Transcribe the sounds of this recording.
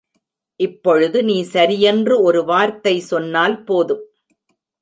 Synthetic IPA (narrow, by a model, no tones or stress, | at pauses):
ʔɪpːɔɻɯðɯniːsɐɾɪjɛndrɯɔɾɯʋaːɾt̪ɐɪsɔnːaːlpoːðɯm